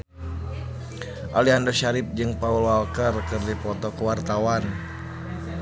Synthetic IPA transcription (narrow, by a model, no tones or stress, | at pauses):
ʔaliɦandɔʃaɾɪp̚d͡ʒɨŋpaulalkərkɨrdipɔt̪ɔkəwart̪awan